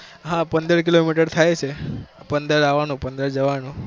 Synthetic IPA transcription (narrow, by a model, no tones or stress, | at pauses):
ɦãpənd̪əɾkilomiʈəɾt̪ʰajt͡ʃʰepənd̪əɾaʋanũpənd̪əɾd͡ʒəʋanũ